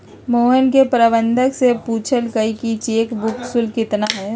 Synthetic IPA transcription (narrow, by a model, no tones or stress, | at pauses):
moːɦənkepɾəbə̃nd̪ʱəksepuːt͡ʃʰəlkəikit͡ʃeːkbʊksʊlkɪt̪naɦɛː